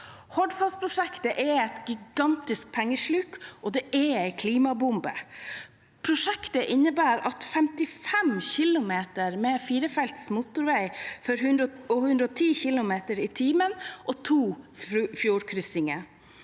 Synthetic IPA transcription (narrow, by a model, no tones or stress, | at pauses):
hɔɖfɑspʰɾʊʂɛkt̪əʔɛɛt̪ɡɪɡɑnt̪ɪsk̚pʰæŋːəʂɭʉkʔɔd̪ɛʔɛæɪkʰliːmɑbʊmbə | pʰɾʊʂɛkt̪əʔɪnːəbæːɾɑt̪fɛmt̪ɪfɛmçɪlʊmeːt̪əɾmɛfiːɾəfɛlt̪smʊt̪ʊɾʋæɪfɔɾʉnd̪ɾɔhʉnd̪ɾəɔt̪ʰiːçɪlʊmeːt̪əɾiːt̪ʰiːmənʔot̪ʰuːfjuːɾkʰɾʏsɪŋə